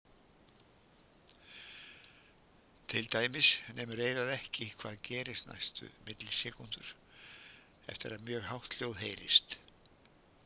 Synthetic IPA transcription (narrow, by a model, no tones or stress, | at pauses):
t̪ʰɪlt̪aːjmɪsnʔɛːmʏɾeːjɾaðɛhcɪkʰv̥aːðcɛːɾɪst̪na̰jst̪ʏ̰mɪt̪lɪsɛːkunt̪ʏɾ̥ | ɛ̰ft̪ɪɾaðmjœːɣhawht̪ljoːwðhejɾɪ̰st̪